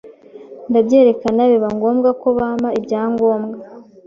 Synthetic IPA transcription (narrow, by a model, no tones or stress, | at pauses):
ndabɟeːɾe̞kanaβiβaŋɡo̞ːmɡako̞βamaibɟaːŋɡo̞ːmɡa